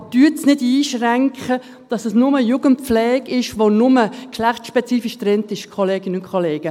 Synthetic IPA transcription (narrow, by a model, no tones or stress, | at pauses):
d̥yːətsnɪdiːʃræŋkχə | d̥ɑsəsnʊməjuɡənt̚p͡flɛːɡɪʃʋonʊməkʃlæχtʃpɛt͡siːfiʃtɾɛntɪʃkʰoleːɡɪnəʊnkʰχoleːɡ̥ə